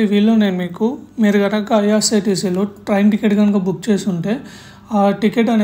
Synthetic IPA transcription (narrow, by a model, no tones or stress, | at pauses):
ʋiːlːoːneːnmiːkumiːɾuɡɐɾɐkɐɐjaːsɐɾʈiːsiloːʈɾɐjmʈikeʈɡɐnkabuk̚ːt͡ʃe̞ːsuɳʈe̞ː | aːʈikeʈːɐnː